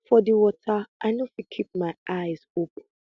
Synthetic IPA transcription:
fɔdiwɔtʰaʔaɪnofikʰip̚maɪaɪzop̚n̩

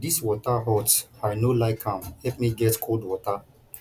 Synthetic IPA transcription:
diswɔtaɦɔtsaɪnolaɪkʰãmhɛpmiɡɛtkʰoldwɔta

